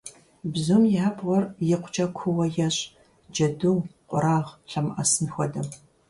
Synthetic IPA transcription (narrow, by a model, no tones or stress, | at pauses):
bzʊmjabwɔrjɪqʷʊt͡ʃʼɐkʷʰʊwɐjɛɕʼ | d͡ʒɐduːqʷʼʊɾaːʁɬɐmʔɐsɨnxʷɔdɐm